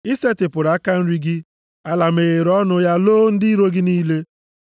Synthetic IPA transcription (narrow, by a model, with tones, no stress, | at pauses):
i˦se˦tɪ˨pʊ˨ɾa˨˦ka˦n̩˦ɾi˦ɡɪ˦ | a˦la˨m̩e˨ɣe˨ɾɔ˦nʊ˦ja˦loː˦n̩˦dɪ˦i˦ɾo˦ɡɪ˦niː˦le˦